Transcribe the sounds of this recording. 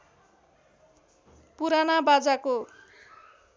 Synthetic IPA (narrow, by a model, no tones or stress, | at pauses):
puɾanabad͡zako